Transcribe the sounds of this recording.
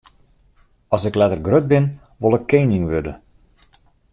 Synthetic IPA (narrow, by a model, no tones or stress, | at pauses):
ɔsɪklɛtərɡrøt̚bɪn | ʋolˠəkʰːejnɪŋʋødə